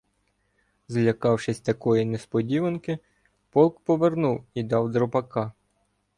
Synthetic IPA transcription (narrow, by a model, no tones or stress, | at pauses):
zlʲɐkɑwʃɪsʲt̪ɐkɔjinespɔdʲiʋenkɪ | pɔlˠkpɔʋernuwid̪ɑwd̪ɾɔpɐkɑ